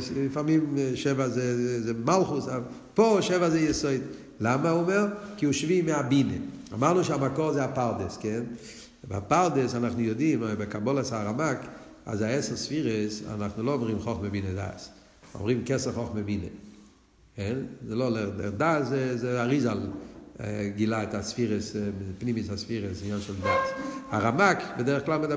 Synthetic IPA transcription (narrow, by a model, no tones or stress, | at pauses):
slifaʁmimʃɛvazezzemalˠχusa | poʃɛvazejɛsoɪd | lamaumɛʁkɪuʃvimɪabinḛa̰maʁnuʃɪamakɔʁzeapaʁdeskɛn | bapaʁdəsanaχnujodimbɪkabɔlˠasaʁamak | a̰zaɛsəlsfiʁəsa̰naχnulˠoɔmʁimχɔχməbiːnəda̰s | ɔ̰mʁimkɛsəχɔχməbinə | kɛnzelolɛʁnɛ̰daszɛzeaʁizalˠ | ɡɪlaɪtasfiːʁəspnimisasfiʁəsɪnjanʃɛldasaʁamakbɪdɛʁəχklˠalˠmɪd